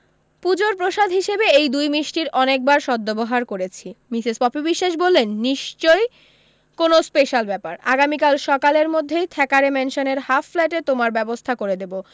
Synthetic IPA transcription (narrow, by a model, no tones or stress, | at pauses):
pud͡ʑoɾpɾoʃad̪ʱɦiʃebeejd̪ujmiʃʈiɾɔnek̚baɾʃɔd̪ːoboɦaɾkoɾet͡ɕʰimisizpɔpibiʃːaʃ̬bolːenːiʃt͡ɕoj | konospeʃalbɛpaɾa̰ɡamikalʃɔkaleɾmod̪ʱːejt̪ʰɛkaɾemɛnʃoneɾhafflɛʈet̪omaɾbɛbost̪ʰakoɾed̪ebo